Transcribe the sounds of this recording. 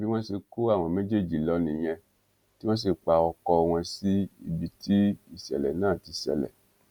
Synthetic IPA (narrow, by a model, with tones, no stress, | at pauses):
bi˦w̃ɔ̃˦se˧ko˦a˦˨w̃ɔ̃˧mẽ˦d͡ʒe˦˨d͡ʒi˨lɔ˨˦nĩ˨j̃ɛ̃˧ | ti˦wɔ̃˦s̬e˨k͡pa˧ɔ˧kɔ˧w̃ɔ̃˧si˦ḭ˧˨bi˧ti˦i˦˨sɛ̰˨lɛ̰˨nãː˦˨ti˧sɛ̰˨lɛ̰˨